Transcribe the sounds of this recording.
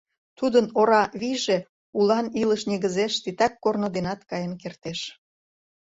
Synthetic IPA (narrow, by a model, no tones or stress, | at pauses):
t̪ud̪ənoɾɑβiʒe | ulɑniləʃneɣəzeʃt̪it̪ɑkːornod̪enɑt̪kɑjənkert̪eʃ